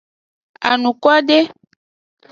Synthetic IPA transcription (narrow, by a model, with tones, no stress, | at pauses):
a̰˨nũ˨kɔ˦ɖe˦